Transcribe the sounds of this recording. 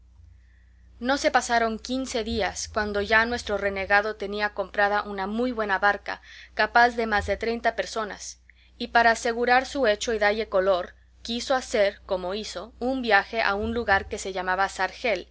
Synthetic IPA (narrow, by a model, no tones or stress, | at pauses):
no̞se̞pasaɾo̞ŋkinse̞ðiaskwand̪o̞ʝanwe̞st̪ɾo̞re̞ne̞ɣaðo̞t̪e̞niako̞mpɾaðaʔunamujβwe̞naβaɾka̰kapazðe̞mazðe̞t̪ɾe̞jnt̪ape̞ɾso̞na̰s | ipaɾaːse̞ɣuɾaɾsue̞t͡ʃo̞iðaʎe̞ko̞lo̞ɾ | kiso̞ase̞ɾko̞mo̞iso̞umbjaxe̞ʔa̰unluɣaɾke̞se̞ʝamaβasaɾxe̞l